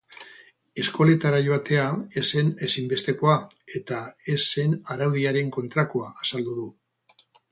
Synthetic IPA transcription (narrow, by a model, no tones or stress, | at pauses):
e̞sko̞le̞t̪aɾaʝo̞at̪e̞ae̞se̞ne̞simbe̞st̪e̞ko̞a | e̞t̪ae̞se̞naɾawðiaɾe̞ŋko̞nt̪ɾakuaːsald̪uð̞u